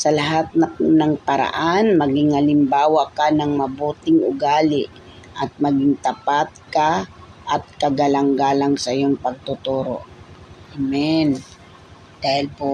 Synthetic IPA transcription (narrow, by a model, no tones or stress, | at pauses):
sɐlɐɦat̪̚nɐnɐŋpɐɾa̰ʔanmɐɡɪŋɐlɪmbaːwɐkanɐŋmɐbuːt̪ɪŋʊ̰ɡaːlɪʔ | ʔɐt̪̚mɐɡɪŋt̪ɐpat̪̚kaʔɐt̪̚kɐɡɐlɐŋɡaːlɐŋsɐʔɪjoŋpɐɡ̚t̪ʊt̪uːɾo̰ʔʔamɛn | d̪̥aːhɪlpo